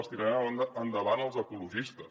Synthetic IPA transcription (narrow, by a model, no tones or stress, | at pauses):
st̪iɾaaənd̪əβanəlˠzəkuluʒist̪əs